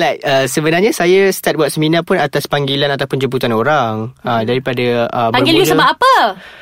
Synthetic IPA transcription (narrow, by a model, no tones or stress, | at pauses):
lajkəsəbənarɲasajast̪at̚buaʔ̪̚səminãpʊnat̪aspaŋɡilanat̪awpʊnd͡ʒəbut̪anoɾaŋədaɾipadaəmaərɡiluləbaʔapə